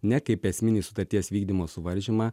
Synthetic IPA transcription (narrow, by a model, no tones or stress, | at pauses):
nʲɛkɐɪpɛsʲmʲɪnʲiːsʊt̪ɐɾʲt̪ʲiɛsʋʲiːɡd̪ʲimoːsʊʋɐɾʲʒʲimɑː